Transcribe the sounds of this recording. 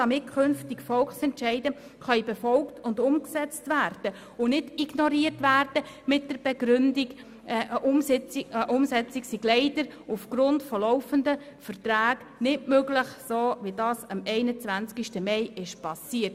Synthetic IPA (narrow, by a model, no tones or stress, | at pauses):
d̥ɑmɪt̚kʰʏnftikfɔlksɛntʃɛɪdə | χœʏb̥ɛfɔlktʊndʊmksɛt͡stʋæːɾd̥ə | ʊnɪdiɡnɔɾiətʋærd̥ə | mɪt̚d̥əɾb̥ɛɡɾʏndiɡ | ʔʊm | ʊmsɛt͡sɪksiɡ̥lɛɪd̥əɾufɡ̥ɾʊntfɔlɔʊfəndəfərtɾaːɡ̥ | nɪtmøɡləχsoːʋidɑːsɑmɛɪnət͡svænt͡skiʃtəmɛɪɪʃpɑsiːət